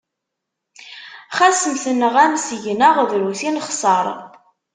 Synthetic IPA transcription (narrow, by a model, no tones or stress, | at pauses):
χæsəmθənəʁæmsəʝnəʁðɾuθinχsˤɑɾˤ